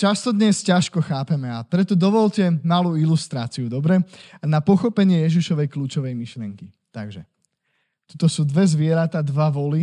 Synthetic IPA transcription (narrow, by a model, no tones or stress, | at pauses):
t͡ʃast̪ɔd̪ɲɛscaʃkɔxaːpɛmɛapɾɛt̪ɔd̪ɔʋɔʎcɛmaluːilust̪ɾa̰ːt͡siud̪ɔbɾɛanapɔxɔpɛɲɪɛjɛʒiʃɔʋɛjkluːt͡ʃɔʋɛjmiʃlɪɛŋki | t̪aɡʒɛ̰ | t̪ut̪ɔsuːd̪ʋɛzʋɪɛɾat̪aːd̪ʋaʋɔli